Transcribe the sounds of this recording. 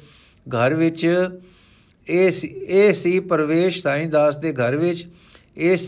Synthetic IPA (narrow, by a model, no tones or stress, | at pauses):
ɡʱəɾʋɪt͡ʃ | eːsiːpəɾʋeːʃsaːĩːd̪aːsd̪eːɡʱəɾʋɪt͡ʃ | eːs